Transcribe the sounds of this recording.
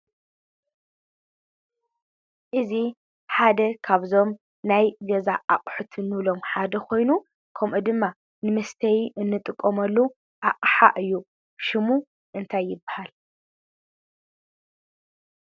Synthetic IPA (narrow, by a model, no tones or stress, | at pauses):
ʔɨzi | ħad̪ɐkʰaβzo̞m | najɡɐzaʔaqʼħut̪ʰɨnːɨβlo̞mħad̪ɐkʰo̞jnu | kʰɐmʔud̪ɨmːa | nɨmɐst̪ʰɐjʔɨnːɨt̪ʼɨkʼːomɐlːu | ʔaqʼħa̰ʔɨjːu | ʃɨmu | ʔɨnt̪ʰajːɪbːahal